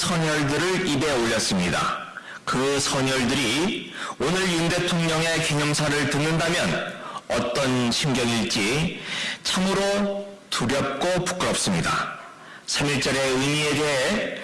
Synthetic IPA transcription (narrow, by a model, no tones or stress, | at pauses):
sʰʌɲʌɭdɯɾɯɭibe̞oʎːʌs͈ɯmɲida̰ | kɯsʰʌɲʌɭdɯɾi | onɯɾjunde̞tʰoŋɲʌŋe̞keɲʌmsʰaɾɯɭtɯnːɯndamjʌnʌt͈ʌnɕʰimɡjʌɡiɭt͡ɕ͈i | t͡ɕʰamɯɾo | tuɾjʌp̚k͈opu̥k͈ɯɾʌp̚s͈ɯmɲida̰ | sʰamiɭt͡ɕ͈ʌɾe̞ɯmie̞de̞ɦe̞